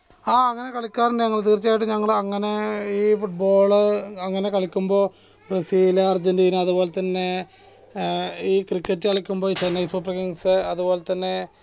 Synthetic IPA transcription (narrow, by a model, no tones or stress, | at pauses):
aːɐŋːɐne̞kɐɭikʲːaːrinɖɨɲɐŋːɐɭt̪̬iːrt͡ɕːaːjiʈ̬ːɨɲɐŋːɐɭɐŋːɐne̞iːfuʈ̚bo̞ːɭɨɐŋːɐne̞kɐɭikʲːumbo̞ː | bresiːlɐrd͡ʑɐndijinɨɐðubo̞ːlet̪ːɐnːe̞ | iːkrikːɐtːɨkɐɭikʲːumbo̞ːit͡ɕenːɐjsuːprɐkiŋsɨɐðubo̞ːlet̪ːɐnːe̞